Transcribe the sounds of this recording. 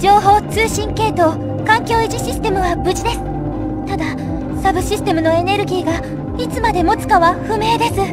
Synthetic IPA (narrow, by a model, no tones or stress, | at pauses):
d͡ʑo̞ːɦo̞ːt͡sɨːɕĩŋke̞ːt̪o̞ | kãŋkʲo̞ːiʑiɕisɨ̥t̪e̞mɯ̟βabɯ̟ʑid̪e̞sɨ̥ | t̪ad̪a | sabɯ̟ɕisɨ̥t̪e̞mɯ̟no̞e̞ne̞ɾɯ̟ɡʲiːɡa | it͡sɨmad̪e̞mo̞t͡sɨ̥kaβaɸɯ̟me̞ːd̪e̞sɨ